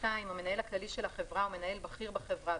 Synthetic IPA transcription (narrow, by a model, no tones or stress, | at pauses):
tajmame̞nae̞laklaliʃelaχevʁaume̞nae̞lbaχiʁbaχevʁa